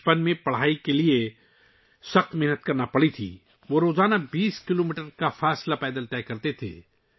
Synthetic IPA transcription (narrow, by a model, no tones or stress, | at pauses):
pənmẽpɐɽ̤aːikelie | sɐxt̪mɛɦnət̪kɐɾnapɐɽit̪ʰḭː | ʋoɾoːzaːnabiːskɪloːmiːʈəɾkafaːslapɛːd̪əlt̪ɛːkɐɾt̪et̪ʰḛː